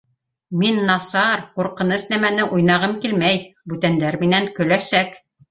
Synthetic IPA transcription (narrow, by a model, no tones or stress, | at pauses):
minːɑsɑɾquɾqɤ̆nɤsnæmænɘʔujnɑʁɤmkilmæjbʉt̪ænd̪æɾminæŋkɵ̆læsæk